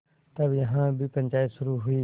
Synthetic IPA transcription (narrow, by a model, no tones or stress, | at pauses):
t̪əbiɦãːbipə̃ɲʲt͡ʃaːɪt̪sʊɾuːɦʊiː